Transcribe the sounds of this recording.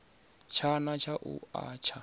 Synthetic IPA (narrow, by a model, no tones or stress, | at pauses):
t͡ʃʰanat͡ʃʰaʔṵa̰ːt͡ʃʰa